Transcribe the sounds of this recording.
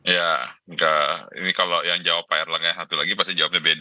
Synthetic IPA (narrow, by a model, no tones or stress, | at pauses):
jaŋkaḭnikalojaŋd͡ʒawapaɛrlaŋɲasat̪ulaɡipast̪id͡ʒawap̚ɲabed